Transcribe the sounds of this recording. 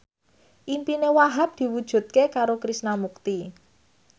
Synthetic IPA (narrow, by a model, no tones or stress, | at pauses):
ʔimpinewaɦap̚d̪̥i̤wud̥ʒ̥ṳt̪̚kekaɾokɾisnamuk̚t̪i